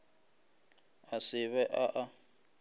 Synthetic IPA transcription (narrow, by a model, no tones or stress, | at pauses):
asɪβɛʔaʔa